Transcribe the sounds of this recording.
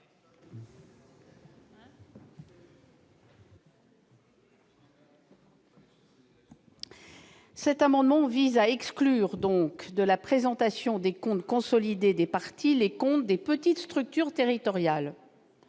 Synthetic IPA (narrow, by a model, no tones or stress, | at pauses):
sɛt̪amɑ̃d̪mɑ̃vizaɛksklyʁd̪ɔ̃kd̪əlapχezɑ̃t̪asjɔ̃d̪ekɔ̃t̪kɔ̃sɔlid̪ed̪epaʁt̪ʰilekɔ̃t̪̚d̪epət̪it̪st̪χyk̚t̪yʁt̪eʁit̪ɔʁjal